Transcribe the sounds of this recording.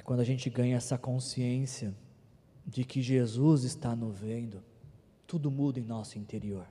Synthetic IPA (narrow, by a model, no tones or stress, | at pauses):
kwɐ̃nd̪ʊɐaʒẽnt͡ʃɪɡɐ̃ɲɐɛsɐkõsiẽsiɐ | d͡ʒɪkɪʒezuzɪst̪anovẽnd̪ʊ | t̪ud̪ʊmud̪ɐẽnɔsʊĩnt̪eɾioɾ